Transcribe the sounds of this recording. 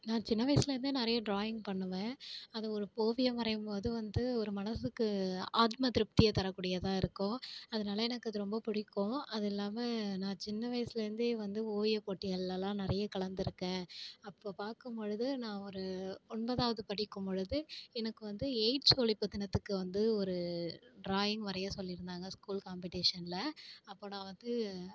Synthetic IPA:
nãːt͡ʃɪnːɐʋɐjɐsɪlɐɾɪnd̪ɯnɪɾɐjɐɖɾoːjɪŋɡpɐɳːɯʋẽːɐðɯɔɾɯpoːʋɪjɐmɐɾɐjɯmpoːðɯʋɐnd̪ɯɔɾɯmɐnɐsɯkːɯaːt̪mɐt̪ɪɾɪp̚t̪ɪjɐt̪ɐɾɐkːuːɽɪjɐt̪ãːɪɾɯkːõːɐðɐnaːlɐɛnɐkːɯɐðɯɾɔmbɐpʊɽɪkːõɐðɛlːaːmɐnãːt͡ʃɪnːɐʋɐjɐsɪlɐɾɯnd̪ʋɐnd̪ɯpoːʋɪjɐpoːʈːɪjɐlːɐlãːnɪɾɐjɐkɐɭɐnd̪ɪɾɯkːẽːɐpːoːpaːɾkɯmpɔɻɯðɯnãːɔɾɯɔnbɐðaːʋɐðɯpɐɽɪkːɯmpɔɻɯðɯɛnɐkːɯʋɐnd̪ɯeɪʈsoːlɪpːɯt̪ːɪnɐt̪ːɯkːɯʋɐnd̪ɯɔɾɯɖɾaːjɪŋɡʋɐɾɐjaːsɔlːɪɾɯnd̪aːŋɡɐskuːlkaːmpɪʈeːʂɐnlɐɐpːoːnãːʋɐnd̪ɯ

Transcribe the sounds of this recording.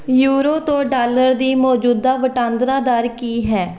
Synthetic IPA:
juːɾoːt̪õːɖaːləɾd̪iːmɔːd͡ʒuːd̪aːʋəʈãːnd̪ɾaːd̪aːɾkiːɦɛː

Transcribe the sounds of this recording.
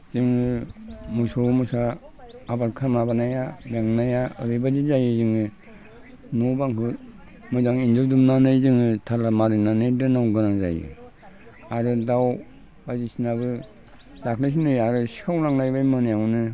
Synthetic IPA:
zɯŋɯmusowmusaː | baɾkʰamabanajaɾaŋnajaɯ̰ɾɯjbazizajɯzɯŋɯ | nubaŋkɯ | mɯzaŋind͡ʒɯɾdumnanɯjzɯŋɯtʰalamaɾɯnanɯjdɯnawɡɯnaŋza̰jɯ̰ | aɾɯdaw | bazisinaβɯ | dakʰnɯs̬inɯjaɾɯsi̥kʰawɾaŋnajbajmɯnijaŋnɯ

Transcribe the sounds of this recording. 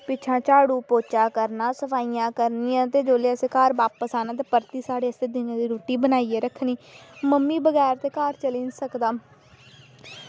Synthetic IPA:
pɪt͡ʃʰãːt͡ʃaːɽuːpoːt͡ʃaːkəɾnaːsəpʰaːiːãːkəɾniːjãːt̪eːd͡ʒoːleːəseːkaːɾbaːpəsaːnãːt̪eːpəɾt̪iːsaːɽeːəseːd̪ɪnãːd̪iːɾoːʈiːbənaːiːeːɾəkʰniːməmːiːbəɡɛːɾt̪eːkaːɾt͡ʃəlĩːnsəkd̪aː

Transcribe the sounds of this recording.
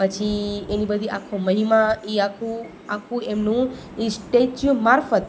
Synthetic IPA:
pət͡ʃʰienibəd̪ʱiʔakʰõməɦimaiakʰũ | akʰũemnũ | isʈet͡ʃmaɾfət̪

